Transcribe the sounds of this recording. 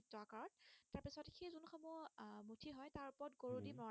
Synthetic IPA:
tːɔkaɹɔt̚ːaɹpisɔtexʰejzunxɔmumutʰiɦɔjtaɹupɔɹtɡoɹudimɔ

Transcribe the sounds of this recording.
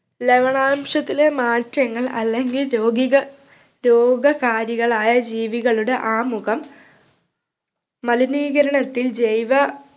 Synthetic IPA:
leʋɐɳaːmʂɐt̪ːile̞maːtɾɐŋːɐɭɐ̰lːe̞ŋɡilɾoːɡiɣɐ | ɾo̞ːɡɐkaːɾjiɣɐɭaːjɐd͡ʑiːʋiɣɐɭuɽe̞ʔaːmuɣɐm | ɐliniːɣɐɾɐɳɐt̪ːild͡ʑejʋɐ

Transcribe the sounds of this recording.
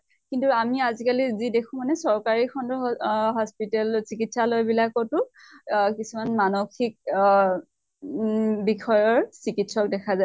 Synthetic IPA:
kintuamiazikalizidekʰũmanɛsɔɹkaɹikʰɔndɔɦɔspitɛlsikitsalojbilakɔtʊ | kisumanmanoxik̚ | bixʰɔjɔɹsikitsɔk̚dɛkʰaza

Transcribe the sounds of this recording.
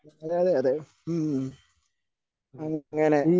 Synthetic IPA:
ɐðeɐðeɐðe | ɐŋŋːɐne

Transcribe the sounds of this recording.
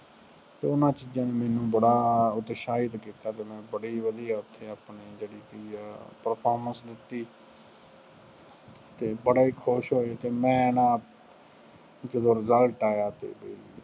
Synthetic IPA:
t̪eːʊnãːt͡ʃiːd͡ʒãːneːmɛ̃ːnũːbəɽaːʊt̪ʃaːɪd̪kiːt̪aːt̪eːmɛ̃ːbəɽiːʋəd̪iːaːʊt̪ʰːeːaːpneːd͡ʒeːɽiːkipəɾpʰoːɾməsd̪ɪt̪ːiː | t̪eːbəɽaːiːkʰoʃɦoːeːt̪eːmɛ̃ːnãː | d͡ʒəd̪õːɾɪzəlʈaːjaːt̪ḛːbəḭː

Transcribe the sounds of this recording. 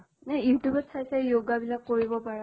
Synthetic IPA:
nɛjutubɛtsʰajsajoɡabilakːoɹibɔpaɹa

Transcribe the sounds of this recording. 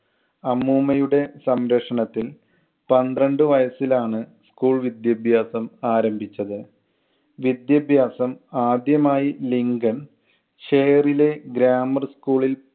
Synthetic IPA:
ɐmːuːmɐjuɽe̞sɐmɾɐkʂɐɳɐt̪ːil | pɐnd̪rɐɳɖɨʋɐjɐsilaːɳɨskuːɭʋid̪jɐbʱjaːsɐmaːɾɐmbʱit͡ɕːɐðɨ | ʋid̪jɐbʱjaːsɐmaːd̪jɐmaːjiliŋɡɐn | ɕejɐrile̞ɡɾaːmɐrskuːɭil

